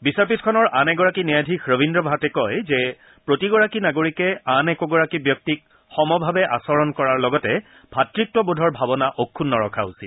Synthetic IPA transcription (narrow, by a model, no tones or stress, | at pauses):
bisapitkʰɔnɔɹʔanɛɡɔɹakinijadʱikʰɹobindɹɔbʱatɛkɔjzɛ | pɹotiɡɔɹakinaɡoɹikɛanɛkɔɡɔɹakibjɔk̚tik̚ | xɔmɔbʱabɛʔa̰sɔɹɔnkɔɹaɹlɔɡɔtɛ | bʱatɹik̚tɔbodʱɔɹbʱabɔnaʔokʰːunːɔɹɔkʰausḭl